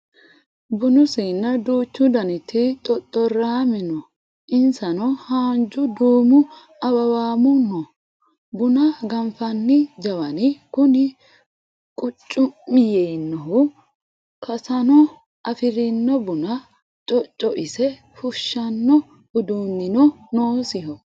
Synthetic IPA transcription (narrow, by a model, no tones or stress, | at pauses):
bʊnʊsɪnːɐd̪uːt͡ʃːʊd̪ɐnɪt̪ʰːɪt̪ʼɔt̪ʼːɔɾaːmɪnɔ | ʔɪnsɐnɔhaːnd͡ʒʊd̪uːmʊ | ɐbɐwaːmʊnːɔ | bʊnɐɡɐmfɐnːɪd͡ʒɐwɐnɪkʊnɪ | kʼʊt͡ʃʼːʊmːɪjɛjnːɔɦʊ | kʰɐsɐnɔ | ʔɐfɪɾɪnːɔbʊnɐ | t͡ʃʼɔt͡ʃʼːɔʔɪsɛ | fʊʃːɐnːɔ | ʊd̪uːnːɪnɔnoːsɪɦɔ